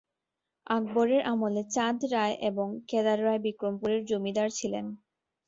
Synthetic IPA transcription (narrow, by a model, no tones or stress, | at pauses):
aɡ̚boɾeɾʔamolet͡ɕad̪ɾaeʔeboŋkɛd̪aɾːaebikɾompuɾeɾd͡ʑomid̪aɾt͡ɕʰilen